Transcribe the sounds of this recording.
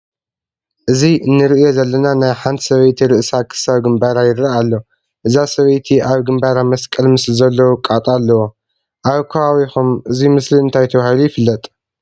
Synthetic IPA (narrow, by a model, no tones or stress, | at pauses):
ʔɨziʔɨnːɨɾɨʔjo̞zɐlːɐnanajħant̪ʰsɐβɐjt̪ʰiɾɨʔsakʰɨ̥saβɡɨmbaɾajɪɾaʔalːo | ʔɨzasɐβɐjt̪ʰiʔaβɡɨmbaɾamɐskʼɐlmɨslizɐlːɐwukʼat̪ʼalːɐwo | ʔaβkʰoawixumʔɨzimɨsliɨnt̪ʰajt̪ʰɐβahilujɪfɨlːɐt̪ʼ